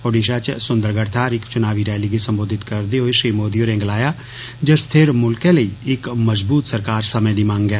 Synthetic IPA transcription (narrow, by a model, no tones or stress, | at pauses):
oːɖiːʃaːt͡ʃsʊnd̪əɾɡəɾt̪ʰaːɾɪkt͡ʃʊnaːʋiːɾɛːliɡisəmboːd̪ʱɪt̪kəɾd̪eɦoeʃɾiːmoːd̪ijoːɾẽːŋɡlaːjaː | d͡ʒəɾst̪ʰeːɾmʊlkẽləiːɪkməzbuːt̪səɾkaːɾsəmẽd̪iːmãːŋɡɛː